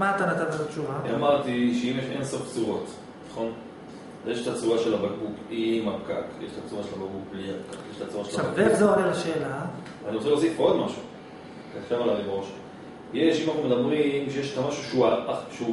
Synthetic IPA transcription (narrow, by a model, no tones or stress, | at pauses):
maːt̪anat̪anazot̪ʃuvaamaʁt̪iʃeimeʔḛnsoft͡suʁo̞t̪ | naχo̞n | zjeʃet̪at͡suʁaʃe̞labaɡbukimakakjeʃe̥t̪at͡suʁaʃelabaɡuk̚bliakakjeʃe̥t̪at͡suʁaʃeabaefzeoʁeʁaʃeːla | aniʁot͡seloːsifpood̪maʃu | keaʃavalavibeʁo̞ʃ | jeʃimaχumed̪abʁimʃejeʃe̥tamaʃuʃeuaʔaχʃuu